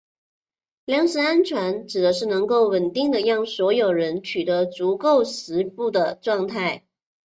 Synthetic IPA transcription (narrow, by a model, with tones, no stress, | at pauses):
ljɑ˥ŋʂɻ̩˧˥a˥nt͡ɕʰwa˧˥nʈ͡ʂɻ̩˨˩d̪ə˦ʂɻ̩˥˩nɤ˧˥ŋko˥˩ʊwə˨˩nt̪i˥˩ŋd̪ə˩jɑ˥˩ŋswɔ˧˥jo˨˩ʊɻə˧˦˥nt͡ɕʰy˨˩t̪ə˧˥t͡su˧˥ko˥˩ʊʂɻ̩˧˥pu˥˩d̪ə˩ʈ͡ʂwɑ˥˧ŋt̪ʰa˥˩ɪ